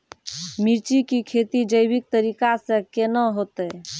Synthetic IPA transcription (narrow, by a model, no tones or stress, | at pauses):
miɾt͡ʃikikʰet̪id͡ʒəjbik̚t̪əɾikasə̃kenəɦot̪ɛ